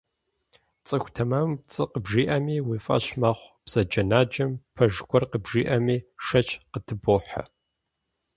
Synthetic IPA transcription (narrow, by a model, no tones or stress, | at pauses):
t͡sʼɨxʷtʰɐmɐmt͡sʼɨqəbʒiːʔɐmiːwiːfʼɐ̰ɕmɐχʷb̥z̥ɐd͡ʒɐnaːd͡ʒɐmpʰɐʒkʷɔrqəbʒiːʔɐmiːʂɐt͡ʃʰʼqətʰɨboːħɐ̰